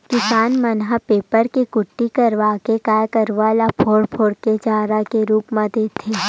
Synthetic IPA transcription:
kɪsaːnmənɦapeːpəɾkikʊʈːikəɾʋaːkekaːjkəɾʋaːlapʰoːɽpʰoːɽked͡ʒaːɾakeɾuːpmãd̪eːt̪ʰːeː

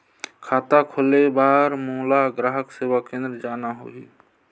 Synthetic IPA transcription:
kʰaːt̪akʰolebaːɾmuːlaɡɾaːɦəkseːwakẽːnd̪ɾəd͡ʒaːnaɦo̰ːḭ

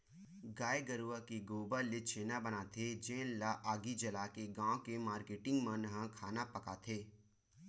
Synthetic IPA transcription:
ɡaːeɡəɾuakiɡoːbalet͡ʃʰeːnabənaːt̪ʰed͡ʒẽːnlaʔaːɡid͡ʒɐlaːkeɡãːõkemaːɾkeːʈɪ̃ŋɡmə̃nɦãkʰaːnapəkat̪ʰeː

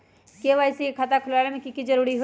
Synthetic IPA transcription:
keʋaːjsiekʰat̪akʰʊlaːlemẽkikid͡ʒəɾuːɾiɦo

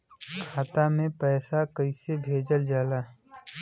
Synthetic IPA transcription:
kʰaːt̪amẽpɛːsakəisebʱeːd͡ʒəld͡ʒaːlaː

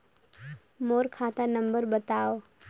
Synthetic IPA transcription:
moːɾkʰaːt̪anə̃mbəɾbət̪aːo

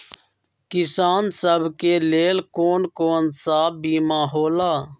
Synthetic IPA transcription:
kɪsaːnsəbʱkeːleːlkoːnkoːnsaːbbiːmãːɦoːlaː

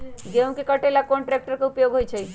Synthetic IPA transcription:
d͡ʒeʋ̃kikəʈelakonʈɾek̚ʈəɾkaʊpjoɡʱɦojt͡ʃʰe

